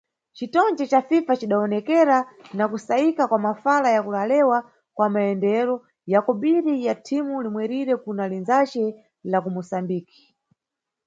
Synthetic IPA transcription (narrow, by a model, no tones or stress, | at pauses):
t͡ʃitɔnd͡ʒɛt͡ʃafifat͡ʃiɗaɔnɛkɛɾanakusaikakwamafalajakulalɛwa | kwamaɛndɛɾɔ | jakɔɓiɾijatʰimulimwɛɾiɾɛkunalinzat͡ʃɛ | lakumusambiːki̥